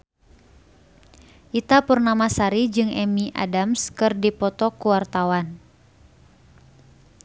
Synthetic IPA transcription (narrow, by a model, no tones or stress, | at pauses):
ʔit̪apərnamasaɾid͡ʒɨŋʔɛmiʔa̰damskɨrdipɔt̪ɔkuwart̪awan